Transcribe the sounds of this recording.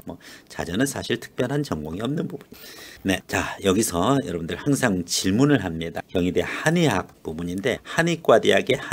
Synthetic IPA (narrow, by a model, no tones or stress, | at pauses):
mʌt͡ɕa̰d͡ʑʌnɯnsʰaɕʰiɭtʰɯ̥k̚p͈jʌnɦant͡ɕʌŋɡwʌŋiʌmnɯnbubuɲne̞t͡ɕajʌɡisʰʌjʌɾʌbundɯɭhaŋsʰaŋt͡ɕiɭmunɯɭhamɲidakjʌŋide̞haniɦak̚pubuɲinde̞hanik͈wadiaɡe̞h